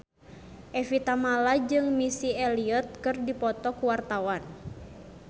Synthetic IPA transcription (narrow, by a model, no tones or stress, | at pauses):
ʔɛfit̪amalad͡ʒɨŋmisiɛliɔt̪̚kɨrdipɔt̪ɔkuwart̪awan